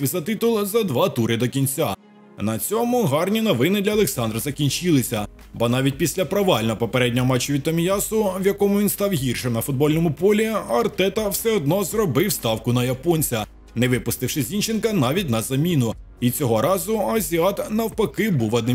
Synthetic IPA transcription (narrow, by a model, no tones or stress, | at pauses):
izɐt̪ɪt̪ʊlˠzɐd̪ʋɑt̪uɾɪd̪ɔkʲinʲt͡sʲa | nɐt͡sʲɔmʊɦɑrnʲinɔʋɪnɪd̪lʲɐlˠeksɑnd̪rɐzɐkʲinʲt͡ʃɪlˠɪsʲɐ | bɔnɑʋʲit̚ʲpʲisʲlʲɐpɾɐʋɑlʲnɔɔpɔpeɾɛdʲnʲɔɦɔmɑt͡ʃːʊʋʲid̪t̪ːɐmʲijɑsʊwjɐkɔmʊʋʲinst̪ɑwɦʲirʃɛnɐfʊd̪̚bɔlʲnɔmʊpɔlʲiɐrt̪ɛt̪ɐwsɛɔd̪nɔzrɔbɪwst̪ɑwkʊnɐjɐpɔnʲt͡sʲɐ | nɛʋɪpʊst̪ɪwʃɪzʲint͡ʃenkɐnɑʋʲitʲnɐzɐmʲinʊ | it͡sʲɔɦɔɾɑzʊɐzʲiɑt̪nɐwpɐkɪbuʋɐd̪nɪm